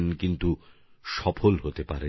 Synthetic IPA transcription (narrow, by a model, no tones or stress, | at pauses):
nkint̪u | ʃɔpʰolɦot̪epaɾe